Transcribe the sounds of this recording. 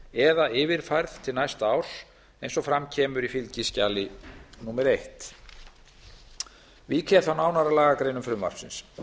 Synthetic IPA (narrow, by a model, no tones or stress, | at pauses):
ɛðaɪːvɪɾ̥fajɾðt̪ʰɪlnajst̪aːws | ejnsɔfɾamcʰɛːmʏɾifɪlcɪscaːlɪnumɛɾejht̪ | vicʰɛθanaːwnaɾalaːɣakɾeːjnʏmfɾʏmva̰ɾ̥psɪ̰ns